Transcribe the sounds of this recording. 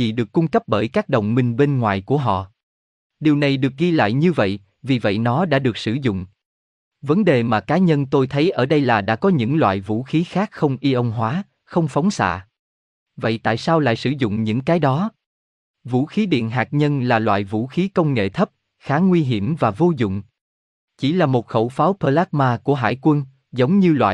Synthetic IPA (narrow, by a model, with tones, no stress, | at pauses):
ḭ˨˩ɗɨ˨˩əkːʊ˧ŋ͡mkə˦˥p̚ɓəː˧˩jkaː˦˥k̚ɗə̰˧˨wŋ͡mmï˨˩ŋɓe˧nŋwaː˧˨jku˧˩əɦɔ̰˧˨ | ɗi˨˩əwna˨˩jɗɨ˨˩ək̚ɣi˧la̰ː˧˨jɲɨ˧və̰˧˨j | vi˨˩və̰˧˨jnɔ˨˦ɗa̰ː˧˥ɗɨ˨˩ək̚sɨ̰˧˩zʊ̰˧˨ŋ͡m | və˨˦nɗe˨˩maː˨˩kaː˨˦ɲə˧nt̪o˧jt̪ʰə˨˦jʔəː˧˩ɗə˧jlaː˨˩ɗa̰ː˧˥kɔ˨˦ɲɨ̰˧˥ŋlwa̰ː˧˨jvṵ˧˥xi˨˦xaː˦˥k̚xə˧wŋ͡mʔi˧ʔə˧wŋ͡mɦwaː˨˦ | xə˧wŋ͡mfa˨˦wŋ͡msa̰ː˧˨ | və̰˧˨jt̪a̰ː˧˨jsaː˧wla̰ː˧˨jsɨ˧˩zʊ̰˧˨ŋ͡mɲɨ̰˧˥ŋkaː˨˦jɗɔ˨˦ | vṵ˧˥xi˨˦ɗḭ˧˨ənɦaː˨˩k̚ɲə˧nlaː˨˩lwa̰ː˧˨jvṵ˧˥xi˨˦kə˧wŋ͡mŋḛ˧˨t̪ʰə˦˥p̚ | xaː˨˦ŋwi˧ɦi˧˩əmvaː˨˩vo˧zʊ̰˧˨ŋ͡m | t͡ɕi˧˩laː˨˩mo˨˩t̚xə˧˩wfaː˨˦wpəː˧laː˦˥t̚maː˧ku˧˩əɦa̰ː˧˩jkwə˧n | zə˨˦wŋ͡mɲɨ˧lwa̰ː˧˨